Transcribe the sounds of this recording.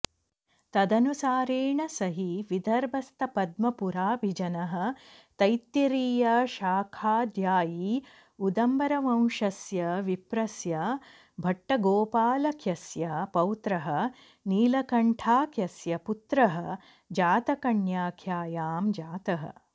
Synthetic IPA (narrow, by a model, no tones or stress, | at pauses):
t̪ɐd̪ɐnusaːɾeːɳɐsɐɦiʋid̪ʱɐɾbɐst̪ɐpɐd̪mɐpuɾaːbʱid͡ʒɐnɐɦɐ̆t̪ɐjt̪ːiɾiːjɐʃaːkʰaːd̪ʱjaːji | ud̪ɐmbɐɾɐʋɐ̃wʃɐsjɐʋipɾɐsjɐ | bʱɐʈːɐɡoːpaːlɐkʰjɐsjɐpɐwt̪ɾɐɦɐ̆ | niːlɐkɐɳʈʰaːkjɐsjɐput̪ɾɐɦɐ̆ | d͡ʒaːt̪ɐkɐɳjaːkʰjaːjaːmd͡ʒaːt̪ɐɦɐ̰